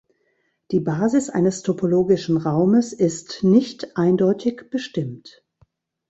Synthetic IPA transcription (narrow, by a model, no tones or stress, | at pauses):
d̥iːbaːzɪsʔa̰ɪnəstʰopʰoloːɡɪʃn̩ʁaʊməsɪstnɪçtʔaɪndɔʏtʰɪçb̥əʃtɪmt